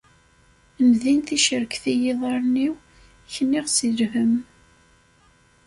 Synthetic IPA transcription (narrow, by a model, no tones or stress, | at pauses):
nðinθiʃəɾəkθijɪðˤɑɾˤniw | çənːɪʁsilhəm